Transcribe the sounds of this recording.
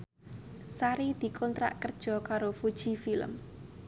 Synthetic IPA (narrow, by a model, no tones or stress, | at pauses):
saɾid̪̥i̤kʰɔnt̪ɾa̰ʔkərd̥ʒ̥ɔ̤kaɾofud̥ʒ̥i̤filə̰m